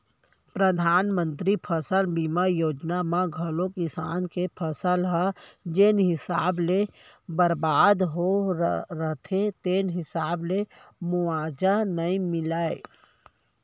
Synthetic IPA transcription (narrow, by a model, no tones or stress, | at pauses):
pɾəd̪ʱaːnmə̃nt̪ɾipʰəsəlbimajoːd͡ʒnamãɡʱəlokɪsa̰ːnkepʰəsəlɦad͡ʒenɦɪsaːble | bəɾbaːd̪ɦoɾəɦt̪ʰet̪eːnɦɪsaːblemʊaːd͡ʒanəĩmɪlaːe